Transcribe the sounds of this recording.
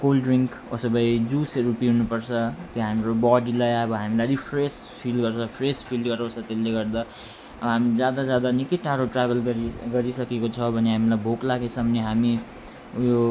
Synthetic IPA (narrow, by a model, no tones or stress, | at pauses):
kolɖriŋk | o̰sʌbʌjd͡zuseɾupiɦunupʌrt͡sʰʌt̪joɦamiɾobaɖilʌjʌbʌɦamilaɾipʰrespʰilɡʌrt͡sʰʌpʰrespʰilɖɡʌɾʌ̃t͡sʰʌt̪elːeɡʌrd̪a | ʌbʌɦamid͡zjad̪ad͡zjad̪anikiʈaɾoʈrabʱʌlɡʌɾiɡʌɾisʌkekot͡sʰʌbʱʌneɦamilajbʱoklaɡesʌmneɦami | jo